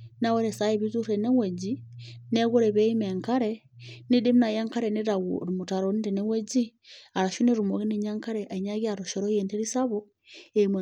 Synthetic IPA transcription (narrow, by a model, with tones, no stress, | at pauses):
na˦we˦ɾe˨sa˦je˨βi˦tu˦ɾe˨ne˦we˨d͡ʒine˦ɣo˦ɾe˨βe˦imeŋka˦ɾe | ni˦di˦m˦na˨ja˦ŋka˦ɾe˨ni˦ɾa˨ɾu˨muta˨ɾoni˦ɾi˨ne˦we˦d͡ʒi˦a˨ɾa˨ʃu˦ne˦ɾu˨mo˨ɣi˦ni˨ɲa˦ŋka˦ɾɛʔa˨i˨ɲa˦ɣi˦aɾoʃɔɾo˦jente˦ɾi˦sa˦βo | emw